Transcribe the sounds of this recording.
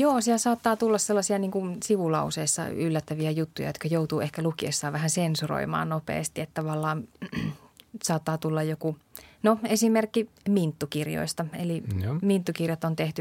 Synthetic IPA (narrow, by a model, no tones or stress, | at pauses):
joːsiælsɑːt̪ːɑːt̪ulːɑsselːɑsiɑniːŋkunsiʋulɑuseːsːɑ̰ylːæt̪ːæʋiæjut̪ːujɑ̰jot̪kæjout̪uːehkælukiḛsːɑːʋæhænsensuro̰imɑ̰ːnnopḛːst̪iet̪t̪ɑʋɑlːɑːn | sɑːt̪ːɑːt̪ulːɑjjoku | noesimerkːimint̪ːukirjo̰ist̪ɑḛlimint̪ːukirjɑt̪ont̪eht̪y